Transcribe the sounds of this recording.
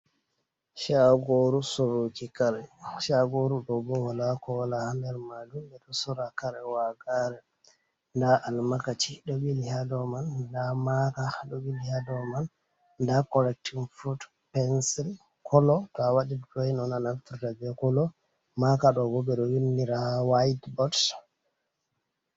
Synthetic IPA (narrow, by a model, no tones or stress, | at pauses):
ʃaɡoɾusoɾokikaɾɛʃaɡoɾuɗɔbɔwalakɔwalahandɛɾmadumbɛɗɔsɔɾakaɾɛwaɡaɾɛ | ndaʔalmakat͡ʃiɗɔbilihadɔmandamakaɗɔbilihadɔman | dakɔlɛk̚tinfut | pɛnsil | kʰɔlɔtɔawaɗiddɔjnɔnanantuɾtabɛkɔlɔ | makaɗɔɡɔbɛɗɔwinːiɾawajtbɔt